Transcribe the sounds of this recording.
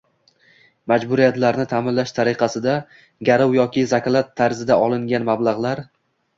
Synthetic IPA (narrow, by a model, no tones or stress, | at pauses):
mad͡ʒbʊɾijat̪laɾnɪt̪ʰamɪnlaʃt̪ʰaɾɪqʰɑsɪd̪a | ɡʲaɾɒwjɒkʲɪzakʲlˠat̪ʰːaɾzɪd̪aʔɒlˠɪŋɡʲanmablˠɑʁlˠaɾ